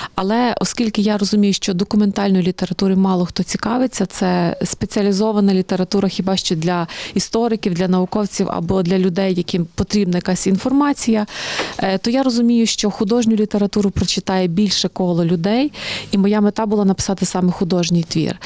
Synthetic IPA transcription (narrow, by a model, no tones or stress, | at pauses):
ɐlˠɛʔɔskʲilʲkɪjaɾɔzʊmʲijʊʃt͡ʃɔd̪ɔkʊment̪ɑlʲnɔjʊlʲit̪eɾɐt̪uɾɪmɑlˠɔxt̪ɔt͡sʲikɑʋɪt͡sʲːɐt̪sɛspet͡sʲiɐlʲizɔʋɐnɐlʲit̪e̞ɾɐt̪uɾɐxʲibɑʃt͡ʃɛd̪lʲɐist̪ɔɾɪkʲiwd̪lʲɐnɐʋʊkɔwt͡sʲiwɐ̰bɔd̪lʲɐlʲʊd̪ɛjːɐkɪmpɔt̪ɾʲib̚nɐjɐkɑsʲinfɔrmɑt͡sʲijɐ | t̪ɔjaɾɔzʊmʲijʊʃt͡ʃɔxʊd̪ɔʒnʲʊlʲit̪e̞ɾɐt̪uɾʊpɾɔt͡ʃɪt̪ɑjɛbʲilʲʃɛkɔlˠɔlʲʊd̪ɛjimɔjamet̪ɑbʊlˠɑnɐpɪ̥sɑt̪ɪsɑmɛxʊd̪ɔʒnʲijt̪ʋʲḭr